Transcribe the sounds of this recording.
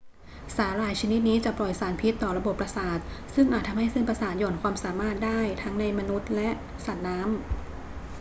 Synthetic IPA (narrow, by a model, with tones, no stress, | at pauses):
saː˩˦ɾaː˨˩jt͡ɕʰa˧ni˦˥t̪̚niː˦˥t͡ɕa˨˩plɔ˨˩jsaː˩˦npʰi˦˥t̪ːɔː˨˩ɾa˧bo˨˩pːɾa˧saː˨˩t̪̚sɯ˥˩ŋʔaː˨˩t̪ʰːa˧mha˥˩jse˥˩npɾa˧saː˨˩t̪̚jɔː˨˩nkʰwaː˧msaː˨˩˦maː˥˩t̪̚daː˥˩jt̪ʰa˦˥ŋna˧jma˧nu˦˥t̪̚lɛ˦˥ʔ | sa˨˩t̪̚naː˦˥m